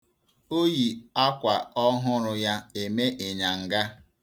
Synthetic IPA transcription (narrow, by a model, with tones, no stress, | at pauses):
o˦ji˨a˦kʷa˨ɔ˦ɦʊ˦ɾʊ˦ja˦e˨me˦ʔe˨ɲa˨ŋ̩˨ɡa˦